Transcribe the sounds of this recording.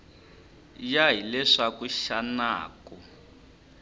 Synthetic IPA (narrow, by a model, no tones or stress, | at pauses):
jaɦilɛʂakuʃana̰ːkɔ